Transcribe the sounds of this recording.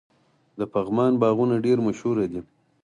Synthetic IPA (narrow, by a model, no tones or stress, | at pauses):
d̪əpaɣmɑnbɑɣunaɖeɾmaʃhuɾad̪i